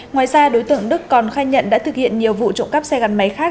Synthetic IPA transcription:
ŋwaː˨˩jzaː˧ɗo˨˦jt̪ɨ̰˧˨əŋɗɨ˦˥kːɔ˨˩nxaː˧jɲə̰˧˨nɗa̰ː˧˥t̪ɨ˨˩k̚hḭ˧˨ənɲi˨˩əwvṵ˧˨t͡ɕʊ̰˧˨wŋ͡mka˦˥p̚sɛ˧ɣa˨˩nma˨˦jxaː˦˥k̚

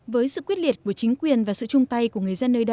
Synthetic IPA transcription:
vəː˨˦jsɨ̰˧˨kwi˦˥ət̚li˨˩ət̚ku˧˩ət͡ɕï˨˦ŋ̟kwi˨˩ənvaː˨˩sɨ̰˧˨t͡ɕʊ˧ŋ͡mt̪a˧jku˧˩əŋɨ˨˩əjzə˧nːəː˧jɗə˧˩

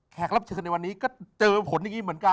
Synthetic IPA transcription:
kʰɛː˨˩k̚la˦˥p̚t͡ɕʰɤː˧na˧jwa˧nːiː˦˥kɔː˥˩t͡ɕɤː˧pʰo˩˦nja˧ŋiː˧mɯ˩˦ənka˧

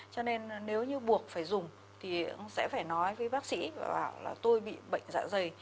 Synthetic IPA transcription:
t͡ɕɔ˧ne˧nne˨˦wɲɨ˧ɓu˨˩ək̚faː˧˩jzʊ˨˩ŋ͡m | t̪ʰi˨˩sɛ̰˧˥faː˧˩jnɔ˨˦jvəː˨˦jɓaː˦˥k̚sḭ˧˥vaː˨˩ɓaː˧˩wla̰ː˨˩t̪o˧jɓḭ˧˨ɓə̰˧˨jŋ̟za̰ː˧˨zə˨˩j

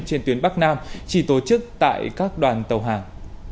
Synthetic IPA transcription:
t͡ɕe˧nt̪wi˨˦nɓa˦˥k̚naː˧mt͡ɕi˧˩t̪o˨˩t͡ɕɨ˦˥k̚t̪a̰ː˧˨jkaː˦˥k̚ɗwaː˨˩nt̪ə˨˩wɦaː˨˩ŋ

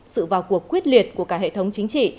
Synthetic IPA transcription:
sɨ̰˧˨vaː˨˩wku˨˩əkːwi˦˥ət̚li˨˩ət̚ku˧˩əkaː˦˥hḛ˧˨t̪ʰə˨˦wŋ͡mt͡ɕï˨˦ŋ̟t͡ɕḭ˧˨

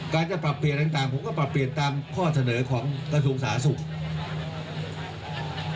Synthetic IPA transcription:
kaː˧nt͡ɕa˨˩pɾa˨˩pːli˨˩ənt̪a˨˩ŋt̪aː˨˩ŋpʰo˩˦mkɔː˥˩pɾa˨˩pːli˨˩ənt̪aː˧mkʰɔː˥˩sa˧nɤː˩˦kʰɔː˩˦ŋkɾa˧s̬u˧əŋsaː˩˦su˨˩ŋ

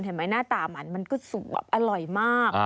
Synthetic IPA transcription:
nɦe˨˦nmaː˨˦jnaː˥˩t̪aː˨˩ma˨˦nma˧nkɔː˥˩su˨˩p̚b̰pʔa˧ɾɔ˨˩jmaː˥˩k

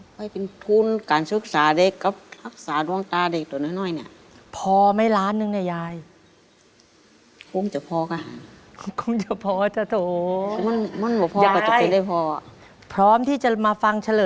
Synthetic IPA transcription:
kʰɔ˧˩jpe˨nt̪ʰu˧˥nkaː˨nsɯ˧˥k̚saː˨˦de˧˩kːa˧˦p̚la˧˩k̚saː˨˦nu˧əŋt̪aː˧de˧˩k̚t̪ɔː˨˦nɔː˧˩˨nɔː˧˥˨jna˧˩ | pʰɔː˧ma˦˥˩jlaː˦˥nːɯ˧ŋna˧˩jaː˧j | kʰo˧˥ŋt͡ɕa˧˩pʰɔː˧kaː˧˩ɦaː˨˦ŋ | kʰo˧˥ŋt͡ɕa˧˩pʰɔː˧t͡ɕa˧˩t̪ʰoː˨˦˧ma˧˥˨nma˧˥˨nbɔː˧˦pʰɔː˧a˧ka˧˩˧t͡ɕa˧˨pe˨ndaː˧˥˩jpʰɔː˧ | pʰɾɔː˦˥mt̪ʰiː˥˩t͡ɕa˨˩maː˧fa˧ŋt͡ɕʰa˧lɤː˨

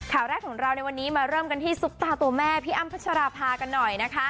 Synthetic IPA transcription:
kʰaː˩˦wɾɛː˥˩kʰːɔː˩˦ŋɾa˧wna˧jwa˧nːiː˦˥maː˧ɾɤː˥˩mka˧nt̪ʰiː˥˩su˦˥p̚t̪aː˧t̪u˧ɐmɛː˥˩pʰiː˦˥ʔa˥˩mpʰa˦˥tt͡ɕʰa˧ɾaː˧pʰaː˧ka˧nːɔ˨˩jna˦˥kʰa˦˥

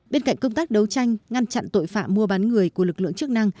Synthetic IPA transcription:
ɓe˧nka̰˧˨ŋ̟kə˧ŋ͡mt̪aː˦˥k̚ɗə˨˦wt͡ɕa˧jŋ̟ŋa˧nt͡ɕa̰˧˨nt̪o̰˧˨jfa̰ː˧˨mːu˧əɓa˨˦nŋɨ˨˩əjku˧˩əlɨ˨˩k̚lɨ̰˧˨əŋt͡ɕɨ˦˥ək̚na˧ŋ

